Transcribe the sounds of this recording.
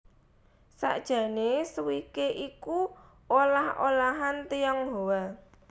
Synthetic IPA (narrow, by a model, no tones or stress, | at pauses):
sa̰ʔd̥ʒ̥ä̤nesuwikeʔiku | olaho̰laɦant̪ijɔŋɦowa